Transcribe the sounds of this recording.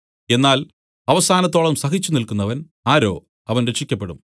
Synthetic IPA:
e̞nːaːl | ɐʋɐsaːnɐt̪ːo̞ːɭɐmsɐɦit͡ɕːunilkunːɐʋɐn | aːɾo̞̰ː | ɐʋɐnɾeʂːikʲːɐpːe̞ɽṵm

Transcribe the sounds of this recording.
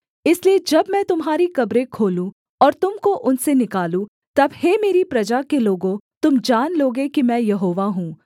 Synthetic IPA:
ɪslied͡ʒɐbmɛ̃ːt̪ʊmɦaːɾikɐbɾẽkʰoːlũ | ɔːɾt̪ʊmkoʔʊnsenɪkaːlũ | t̪ɐbheːmeːɾipɾɐd͡ʒakeloːɡõt̪ʊmd͡ʒaːnloːɡekimɛ̃ːjɐɦoːʋaɦũː

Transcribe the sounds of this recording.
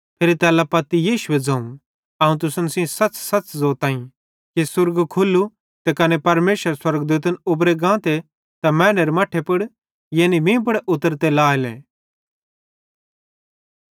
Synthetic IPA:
pʰeːɾit̪ɛːlapɐt̪ːijiːʃʊed͡zɐ̃ːũ | ɐːũt̪̬ʊsənsĩsɐt͡ssɐt͡szoːt̪ãːĩ | kisʊɾɡkʰʊlːu | t̪ekɐnepɐɾmeːʃəɾswɐɾɡd̪uːt̪̬ənʊbɾeɡãːt̪e | t̪ɐmɛ̃ːneɾemɐʈʰepʊɽ | jeːnibĩːp̬ʊɽeʊt̪ːəɾt̪elaːelḛ̃ː

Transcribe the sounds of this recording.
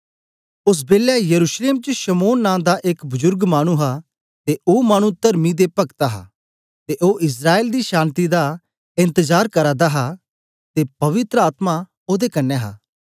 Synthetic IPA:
ʊs̬beːljajɐɾuːʃleːmt͡ʃəʃɐmoːnːãːd̪aʔɪkbʊzʊɾɡmaːɽ̃ũɦa | t̪eʔoːmaːɽ̃ũt̪ɐɾmid̪epɐkt̪aɦa̰ | t̪eʔoːʔɪs̬ɾaːeːld̪iʃãːnt̪id̪a | ɪ̃nt̪əzaːɾkɐɾaːd̪aɦa | t̪epɐʋɪt̪ɾəaːt̪ma | oːd̪ekɐnːeɦa̰ː

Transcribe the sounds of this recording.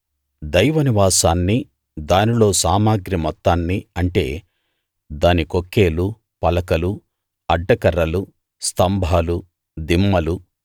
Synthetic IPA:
d̪ɐjʋɐniʋaːsaːnːi | d̪aːnilo̞ːsaːmaːɡɾimɔt̪ːaːnːiɐɳʈe̞ː | d̪aːnikokːe̞ːlu | pɐlɐkɐlu | ɐɖːɐkɐɾɐlu | st̪ɐmbʱaːlu | d̪imːɐlu

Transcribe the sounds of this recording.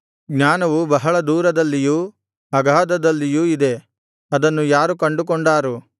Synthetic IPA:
ɡɲaːnɐʋubɐɦɐɭɐd̪uːɾɐd̪ɐlːijuː | ɐɡʱaːd̪ɐd̪ɐlːijuːid̪e̞ | ɐd̪ɐnːujaːɾukɐɳɖuk̬oɳɖaːɾu

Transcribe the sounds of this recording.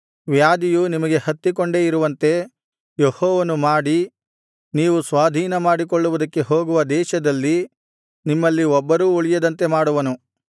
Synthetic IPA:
ʋjaːd̪ijunimɐɡe̞hɐt̪ːikoɳɖe̞ːiɾuʋɐnt̪e̞ | jehɔːʋɐnumaːɽi | niːʋusʋaːd̪ʱiːnɐmaːɽik̬oɭːuʋud̪ɐkːe̞ɦo̞ːɡuʋɐd̪ɛːʃɐd̪ɐlːi | nimːɐlːiɔbːɐɾuːuɭijɐd̪ɐnt̪e̞maːɽuʋɐnu

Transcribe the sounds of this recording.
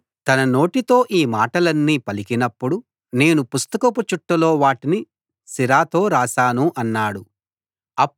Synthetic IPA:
t̪ɐnɐno̞ːʈit̪o̞ːʔiːmaːʈɐlɐnːiːpɐlikinɐpːuɽu | ne̞ːnupust̪ɐkɐput͡ʃuʈːɐlo̞ːʋaːʈini | siɾaːt̪o̞ːɾaːsaːnuʔɐnːaːɽu | ɐ

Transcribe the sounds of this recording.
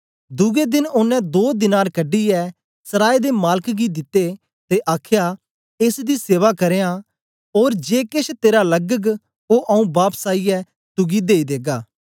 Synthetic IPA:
d̪ʊɡed̪ɪnʊnːɛ̃d̪oːd̪ɪnaːɾkɐɖiɛ | sɐɾaːid̪emaːləkɡid̪ɪt̪ːe | t̪eʔaːkʰja | eːsd̪iseːʋakɐɾeːã | oːɾd͡ʒeːkɪʃʰt̪eːɾalɐɡəɡ | oʔɐũbaːpsaːijɛ | t̪ʊɡid̪eːid̪eːɡaː

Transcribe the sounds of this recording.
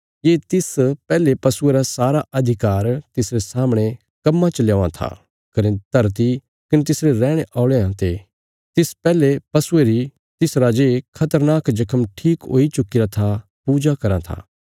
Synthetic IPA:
jeːt̪ɪspɛːlepɐsʊeɾasaːɾaʔɐd̪ʱɪkaːɾt̪ɪsɾesaːmɽ̃e | kɐmːat͡ʃɐljaːãt̪ʰa̰ | kɐɾẽt̪ɐɾt̪̬i | kɐnet̪ɪsɾeɾɛːɽ̃eʔaːʊɭeɦãt̪e | t̪ɪspɛːlepɐsʊeɾi | t̪ɪsɾad͡ʒekʰɐt̪əɾnaːkd͡ʒɐkʰəmʈʰiːkɦo̰ːit͡ʃʊkiɾat̪ʰa | puːd͡ʒakɐɾã̰t̪ʰa̰ː

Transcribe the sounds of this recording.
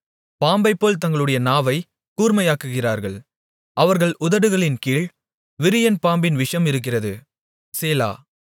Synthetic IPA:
paːmbɐɪpːoːlt̪ɐŋɡɐɭɯɽɐjɐnaːʋɐɪ | kuːɾmɐjaːkɯɣɪraːɾɣɐɭ | ʔɐʋɐɾɣɐɭʔʊðɐɽɯɣɐɭɪnkiːɭ | ʋɪɾɪjɐnpaːmbɪnʋɪʂɐmɪɾɯk̬ːɪrɐðɯ | seːla̰ː

